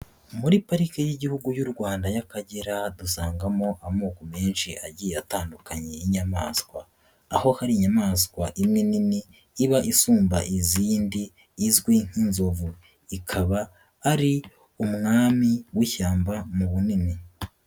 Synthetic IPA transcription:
muɾipaɾikejiɟihuɡujuɾɡwaːndajakaɟeɾadusaːŋɡamo̞ʔamuːkome̞ːnʃiʔaɟijeataːndukaɲe̞iɲama̰ːskwaː | ho̞haɾiɲamaːskwaʔimŋininiː | βaʔisuːmba̰ʔiziːndiː | zɡwiŋ̥inzo̞vu | ikʰaβaː | ɾi | umŋaːmiwiçaːmbamuβunini

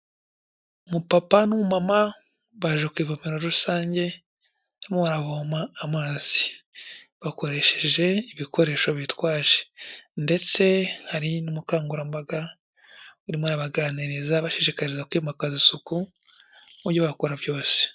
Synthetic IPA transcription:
umupapanumumama | βaʒekwiːvomeɾo̞ɾusaːɲɟe̞ | amoβaɾaβomaːmaːz̥i̥ | βako̞ɾe̞ʃeʒe̞iβikʰo̞ɾe̞ːʃo̞βitwaːʒe̥nde̞t͡se̞haɾinumukaːŋɡuɾambaɡa | uɾimwaɾaβaɡaːniɾizaβaʃeʃikaɾizakwimakazisuku | uɾɟoβakuɾabjo̞ːse̥

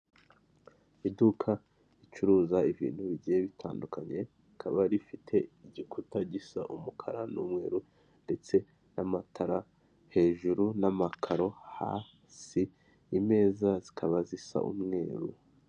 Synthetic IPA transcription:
idukʰa | it͡ʃuɾuːzaiβḭːn̥huβiɟɟijeβitʰaːndukaɲe̞ | ikʰaβaɾifitʰe̞iɟikʰutaɟisaʔumukʰa̰ɾanuːmŋe̞̰ːɾu | nde̞t͡se̞ | namatʰaɾa | he̞ːʒuɾunamakʰaɾo̞ha̰ː | siː | me̞ːzazikʰaβazisa̰ʔṵmŋe̞ːɾu

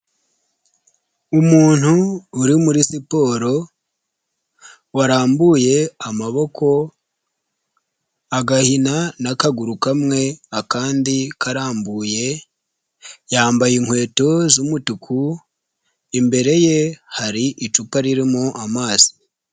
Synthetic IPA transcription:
umuːn̥huːɾimuɾisipo̞ːɾo̞ | waɾaːmbuje̞amaβo̞ko̞ | aɡahinanakaɡuɾukamŋe̞akaːndikaɾaːmbuːje̞ | jaːmbajiŋ̥hwe̞ːto̞zumutukʰu | imbe̞ɾe̞je̞haɾiʔit͡ʃupaɾiɾimoʔamaːzi̥

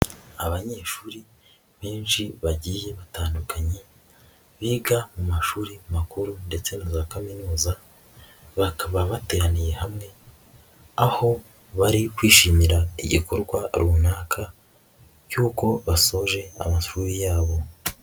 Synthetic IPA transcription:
aβaɲe̞ːʃuːɾi | βe̞ːnʃiβaɟije̞βataːndukʰaɲe̞ | βiːɡamumaʃuːɾimakuɾunde̞t͡se̞nazakaminuːza | βakaβaβate̞ɾanije̞hamŋe̞ | aho̞ | βaɾikwiːʃiːmiɾaḭɟḭkoɾɡwaɾuːnaːkʰa | cuːko̞βaso̞ʒe̞a̰maʃuːɾijaːβo̞

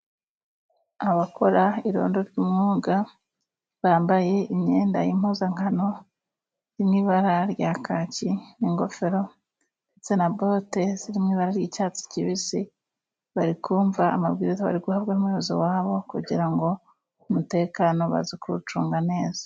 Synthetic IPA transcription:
aβako̞ɾaiɾo̞̰ːndoɾɟuːmŋuːɡa | βaːmbaje̞imɲe̞ːnda̰jim̥huːzaŋhano̞ | ɾimŋiːβaɾaɾjakʰaciniŋɡo̞fe̞ɾo̞ | et͡senaboteziɾimŋiːβaɾaɾjiːcaːt͡si̥ciβisi | βaɾikuːɱvaːmaβɡiːɾizaβa̰ɾiɡuhaβɡanumweoziwaːβo̞kuɟiɾaŋɡo̞ | umute̞ːkano̞βa̰zikuɾut͡ʃuːŋɡane̞ːz̥ḁ

